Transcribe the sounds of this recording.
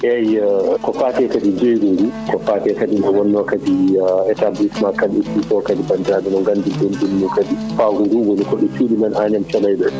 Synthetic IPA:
ʔɛjkɔfaːtɛkadid͡ʒejɡuɾukɔfaːtɛkadiɗɔwɔnːɔkadiɛtablismakːadiufisɔkadibandiɾaɗɛnɔŋɡandidundunːukadifaɡuɾuwɔnikɔɗɔt͡ʃuːɗimanʔaːɲamt͡ʃalajɗɔ

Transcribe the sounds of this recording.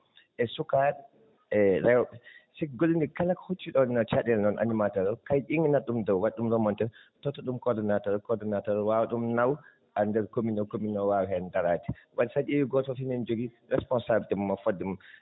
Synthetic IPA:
ʔɛsukad | ɛɾɛwɓɛsɛɡolːindikalakhot͡ʃːiɗɔnat͡ʃaɗɛlnɔnʔa̰nimatɔɾɔkajʔiŋɡɛnaɗumdɔwwaɗːumɾɔmɔntɛ | tɔtːɔɗumkɔɾdɔnatɔɾkɔdɔnatɔɾwawaɗumnaw | ʔandɛɾkominɔkominɔwawhɛndaɾati̥waɗisad͡ʒijiɡɔtɔfinɛnd͡ʒoɡi | ɾɛspɔnsabtɛmumːafodːɛmum

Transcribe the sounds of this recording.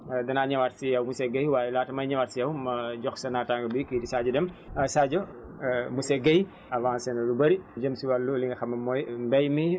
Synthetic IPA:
dɐnaɲɐwaɾsijɐwmusɛɡɐjwaːjɛlaːtɐmɐjɲɐwaɾsijɐwmɐd͡ʒɔxsɐnataŋɡɐbikidisad͡ʒɐdɛmsad͡ʒo | museɡɐj | ɐvãːnsenɐlubɐɾid͡ʒɐmsiwalːuliŋɡɐxɐmɐɔjmbɐjmi

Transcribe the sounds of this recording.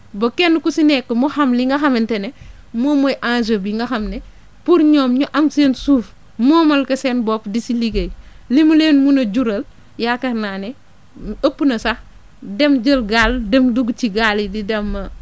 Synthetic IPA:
bɐkɛnːkusinɛkːɐmuxɐmliŋɡɐxɐmɛntɛnɛ | mɔːmojʔand͡ʒɐbiŋɡɐxɐmnɛ | puɾɲɔːmɲuʔɐmseːnsuːf | mɔːmɐlkɐseːnbɔːpdisiliɡɐj | limuleːnmunɐɟuɾɐl | jakɐɾnaːnɛ | əpːunɐsɐx | dɛmd͡ʒəlɡaːldɛmduɡt͡ʃiɡaːlididɐmːɐ

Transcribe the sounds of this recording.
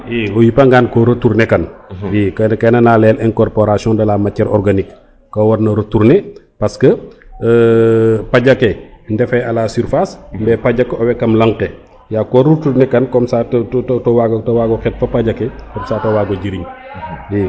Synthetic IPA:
jiɔjipɐŋɡaːnkɔɾotːuɾnɛkɐnjikɐkɐnɐnaːlɛːlɛnkɔrpɔɾasjɔ̃ndɐlaːmɐcːɐɾʔɔɾɡanikː | ɐwɐɾnɐɾotuɾnɛ | pɐskə | pɐɟɐkɛndɛfɛɐlasyɾfasmbɛpɐɟɐkːɔwɛkɐmlɐŋkɛ | jakɔɾutuɾnɛkɐnkɔmsatttɔwaɡtɐwaɡɔxɛt̚fɐpɐɟɐkɛkɔmsaːtɐwaːɡɔɟiɾiɲjɛ

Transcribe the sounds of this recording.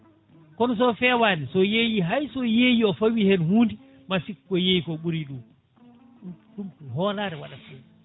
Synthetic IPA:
kɔnɔs̬ɔfɛwaːnisɔjejiɦajsɔjeːjiɔfowihɛnhuːndi | masikːɔjejikɔɓuɾiɗum | ɗumkuɦɔːlaɾɛwaɗafɛ

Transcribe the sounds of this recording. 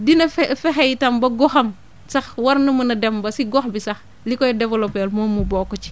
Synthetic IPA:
dinɐffexejtɐmbɐɡɔxɐm | sɐxwɐɾnumunɐdembɐsiɡɔxbisɐx | likɔjdevɐlopelmoːmːubɔkːɔt͡ʃi̥

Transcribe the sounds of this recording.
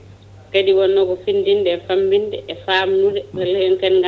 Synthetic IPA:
kediwɔnːɔɡɔfindindɛfambindɛʔɛfaːmnuɾɛwɛlɛŋkɛnɡa

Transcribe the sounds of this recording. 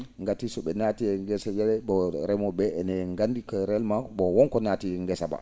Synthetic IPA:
ŋɡatisɔɓɛnatiɛŋɡɛsajɛlɛbɔɾɛmɔbɛɛnɛŋɡandikɔɾɛlmabɔwɔnkɔnaːtiɛŋɡɛsaba̰

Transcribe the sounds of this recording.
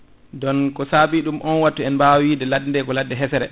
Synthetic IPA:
dɔnkɔsabiɗumʔɔnwatːuɛnbawidɛladindɛkɔladːɛɦɛsɛɾɛ

